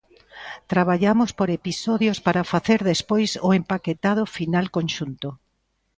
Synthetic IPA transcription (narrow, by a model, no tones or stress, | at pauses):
t̪ɾaβaʎamospoɾepisɔðjospaɾafaθeɾðespojsʊempaket̪að̞ʊfinalkonʃunt̪o